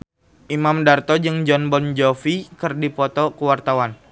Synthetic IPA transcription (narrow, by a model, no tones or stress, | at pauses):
ʔimamdart̪ɔd͡ʒɨŋd͡ʒɔnbɔnd͡ʒɔfikərdipɔt̪ɔkəwart̪awan